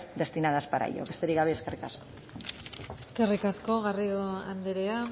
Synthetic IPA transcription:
d̪e̞st̪inað̞aspaɾa̰jo̰kest̪eɾiɣaβeeskerikasko̥ | eske̞rikasko̞ɣarioand̪eɾea

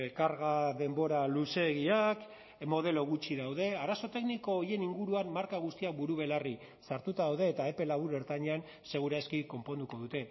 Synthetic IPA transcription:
ekaɾɣaðe̞mbo̞ɾaluse̞ɣ̞iak | mo̞ð̞e̞lo̞ɣut͡ʃiðawðe̞aɾaso̞t̪e̞kniko̞je̞niŋɡuɾuanmaɾkaɣ̞ust̪iak̚buɾuβ̞e̞lari | saɾt̪ut̪aðawðe̞ːt̪ae̞pe̞laβuɾe̞ɾt̪aɲean | se̞ɣ̞uɾaskiko̞mpo̞nd̪uko̞ðut̪e̞

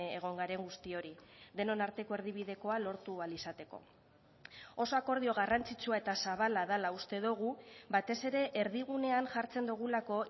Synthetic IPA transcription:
eɣ̞o̞ŋɡaɾe̞ŋɡust̪io̞ɾiðe̞no̞naɾt̪e̞ko̞e̞ɾð̞iβ̞ið̞e̞ko̞alo̞ɾt̪ualisat̪e̞ko̞̰ | o̞so̞ako̞ɾð̞io̞ɣ̞arant͡sit͡suae̞t̪asaβ̞alaðalaust̪e̞ðuɣ̞uβat̪e̞se̞ɾe̞ʔeɾð̞iɣ̞une̞anʝaɾt͡se̞nd̪uɣ̞ulako̞

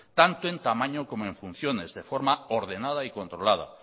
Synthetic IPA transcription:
t̪ant̪oẽnt̪amãɲokomoẽɱfun̟θjonezðefoɾmaoɾð̞enað̞aikont̪ɾolað̞a̰

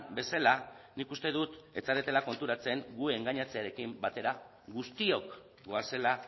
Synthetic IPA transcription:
be̞salanikust̪e̞ðut̪e̞t͡saɾet̪e̞lako̞nt̪uɾat͡se̞ŋɡue̞ŋɡaɲat͡seaɾe̞kimbat̪e̞ɾa | ɣust̪io̞k | ɡo̞ase̞la

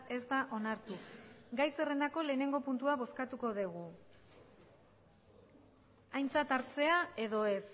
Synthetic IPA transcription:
e̞zd̪aʔo̞naɾt̪uɡajse̞re̞nd̪ako̞le̞ːne̞ŋɡo̞punt̪uaβo̞skat̪uko̞ðeɣ̞u | ajnt͡sat̪aɾt͡se̞ae̞ðo̞e̞s

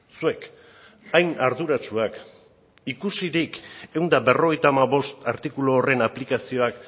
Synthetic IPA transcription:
sue̞k | ajnaɾðuɾat͡ʃuak | ikusiɾike̞wnd̪abe̞ro̞ɣ̞e̞jt̪aːmaβo̞st̪aɾt̪ikuloːre̞naplikasio̞ak

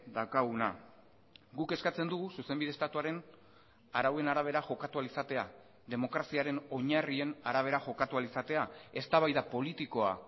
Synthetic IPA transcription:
d̪akaɣuna̰ | ɡuke̞skat͡se̞nd̪uɣususe̞mbiðe̞st̪at̪uaɾe̞n | aɾawe̞naɾaβ̞e̞ɾaʝo̞kat̪ualisat̪e̞a | ðe̞mo̞kɾasiaɾe̞no̞ɲarie̞naɾaβ̞e̞ɾaʝo̞kat̪ualisat̪e̞ae̞st̪aβ̞ajðapo̞lit̪iko̞a̰

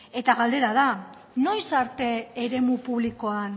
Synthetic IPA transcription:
e̞t̪aɣald̪e̞ɾaða | no̞jsaɾt̪e̞ːɾe̞mupuβliko̞an

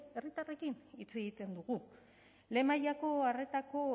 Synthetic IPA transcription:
e̞rit̪are̞kinit͡se̞ɣit̪e̞nd̪uɣu | le̞majako̞are̞t̪ako̞

